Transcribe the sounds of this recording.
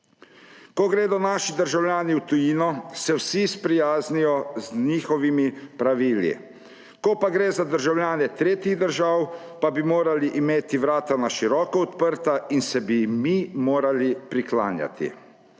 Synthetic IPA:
kɔɡɾeːd̪ɔnaːʃid̪əɾʒawljaːniwt̪ujiːnɔsɛwsispɾijaːznijɔzniːxɔʋimipɾaʋiːlḭ | kɔpaɡɾeːzad̪əɾʒawljaːnɛt̪ɾeːt̪iɣd̪əɾʒawpabimoːɾaliʔimeːt̪iʋɾaːt̪anaʃiɾɔːkɔɔt̪pəɾt̪ainsɛbimimoːɾalipɾikla̰ːnja̰t̪ḭ

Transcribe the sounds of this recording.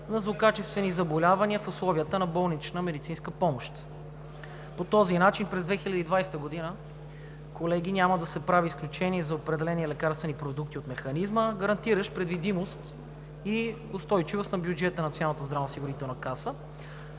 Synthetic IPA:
nɐzvokat͡ʃɛst̪vɛnizɐbolʲavɐniəfʊslˠɔviət̪ənɐbɔlˠnit͡ʃnəmɛd̪it̪sinskəpɔmoʃt̪ | pot̪ɔzinat͡ʃinpɾɛzd̪vɛxilʲəd̪id̪vajst̪əɡod̪inə | kolɛɡ̟inʲaməd̪ɐsɛpɾaviːsklʲut͡ʃɛniɛzɐopɾɛd̪ɛlɛniɛlɛkaɾst̪vɛnipɾod̪ukt̪iot̪mɛxɐnizməɡəɾɐnt̪iɾəʃpɾɛd̪vid̪imost̪ | i | ʊst̪ɔjt͡ʃivost̪nɐbjud͡ʒɛt̪ənɐt̪sjonanət̪əzd̪ɾavosiɡʊɾit̪ɛlˠnɐkasə

